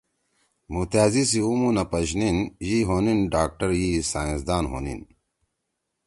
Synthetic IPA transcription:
mut̪aːzis̬iumunɐpɐɕninjiɦoninɖaːk̚ʈɐɾjisaːĩsd̪aːnɦo̰ːnḭn

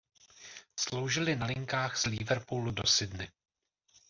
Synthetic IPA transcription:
slo̞wʒɪlɪnalɪŋkaːxzlivɛɾpuːludo̞sɪdnɪ

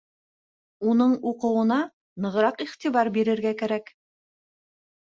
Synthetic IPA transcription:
unɤɴuqɤ̆wɤ̆nɑ | nɤ̆ʁɾɑqiχt̪iβɑɾbiɾɘ̆ɾɡækæɾæk

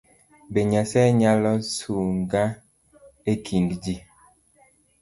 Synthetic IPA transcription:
beɲasɛɲalɔsuŋɡa | ekʰindd͡ʒi

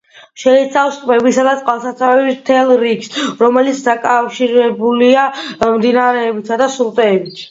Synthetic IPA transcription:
ʃɛit̪sʰafskʼmɛbisad̪at̪sʼqʼwalˠsat̪sʰavɛbist̪ʰɛlˠɾiɡsɾɔmɛlit̪sʰd̪akʼafʃiɾɛbuliamd̪inaɾɛːbit̪sad̪asulˠt̪ʼɛːbit̪ʰ

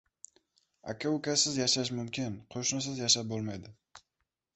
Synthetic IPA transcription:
a̰kʲʰaʊkʰʲasɪzjaʃaʃ̬mʊmkʲɪnqʰoʃnɪs̬ɪzjaʃap̚bolˠmajd̪ɪ

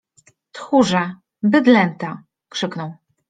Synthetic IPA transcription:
t̪xuʐa | bɘd̪lɛnt̪a | kʂɘknɔw̃

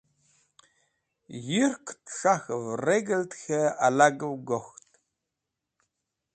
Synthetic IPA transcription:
jɪrkʷʰtʂaxɨvreɡɐltxɐalaɡɨwɡʷoxtʼʰ

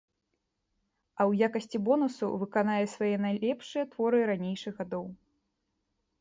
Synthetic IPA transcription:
ɐwjakɐsʲt͡sʲibɔnusṵvɨkanajɛsvajɛnajlʲɛpʂɨjɛt̪vɔɾɨɾanʲejʂɨɣɣad̪ɔw

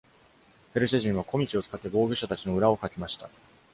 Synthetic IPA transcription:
ɸeɾɯ̟ɕaʑĩɰ̃βako̞mʲit͡ɕiot͡sɨ̥kat̪ːe̞bo̞ːɡɯ̟ɕat̪at͡ɕino̞ɯ̟ɾao̞kakʲimaɕi̥t̪a

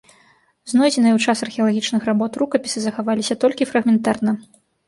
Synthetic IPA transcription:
znɔjd͡zʲɛnɨjɐwt͡ʂasɐrxʲɛɐlˠaɣʲit͡ʂnɨxrabɔt̪rukɐpʲi̥sɨzɐxavalʲisʲɐt̪ɔlʲkʲifɾɐɣmʲɛnt̪arnɐ

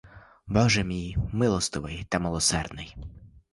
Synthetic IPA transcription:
bɔʒɛmʲijmɪlˠɔst̪ɪʋɪjt̪ɐmɪlˠɔsɛrd̪nɪj

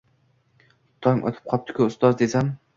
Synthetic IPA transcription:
t̪ʰɒŋʔɒ̰t̪ʰɪ̥p̚qʰɒp̚t̪ʰɪ̥kʰʲʊʊst̪ɒzd̪esam

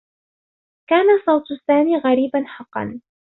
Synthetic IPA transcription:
kaːnasˤɑwt̪saːmiːɣaɾiːbanħɑqːɑ̰n

